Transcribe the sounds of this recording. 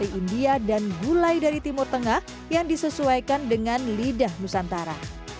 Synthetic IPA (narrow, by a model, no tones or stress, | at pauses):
iindiadanɡulajdaɾit̪imʊrt̪əŋah | jaŋdisəsuajkandəŋanlidahnusant̪aɾa̰